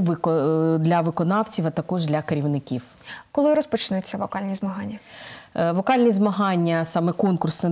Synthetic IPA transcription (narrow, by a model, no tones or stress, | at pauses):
ʋkd̪lʲɐʋɪkɔnɑwt͡sʲiʋɐt̪ɐkɔʒd̪lʲɐkeɾʲiwnɪkʲiw | kɔlˠɪɾɔspɔt͡ʃɪnʊt͡sʲːɐʋɔkɑlʲnʲizmɐɦɑnʲːɐ | ʋɔkɑlʲnʲizmɐɦɑnʲːɐsɑmɛkɔnkʊrsnɛ